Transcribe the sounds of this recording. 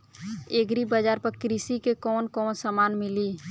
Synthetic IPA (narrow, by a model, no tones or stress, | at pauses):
eɡɾibəd͡ʒaːɾpəɾkɾisikekɔːnkɔːnsamanmɪli